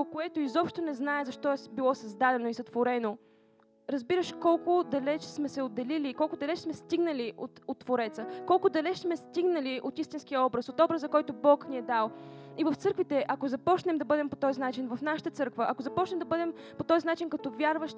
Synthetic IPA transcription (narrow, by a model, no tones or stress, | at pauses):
koɛt̪oizɔpʃt̪onɛznaɛzɐʃt̪ɔɛbilˠɔsɐzd̪ad̪ɛnoisɐt̪voɾɛno | ɾɐzbiɾəʃkɔlˠkʊd̪ɐlɛt͡ʃsmɛsɛod̪ːɐlilikɔlˠkʊd̪ɐlɛt͡ʃsmɛst̪iɡnəliʔot̪ot̪ːvoɾɛt̪səkɔlˠkʊd̪ɐlɛt͡ʃsmɛst̪iɡnəliʔot̪ist̪inskijəɔbɾəsot̪ɔbɾəszɐkɔjt̪obɔkniɛd̪alˠ | ivəft̪sɤɾkvit̪ɛʔɐkozɐpɔt͡ʃnɛmd̪ɐbɤd̪ɛmpot̪ɔzinat͡ʃinvəfnaʃə̥t̪ət̪sɤɾkvəʔɐkozɐpɔt͡ʃnɛmd̪ɐbɤd̪ɛm | pot̪ɔzinat͡ʃinkɐt̪ɔvʲjaɾvəʃ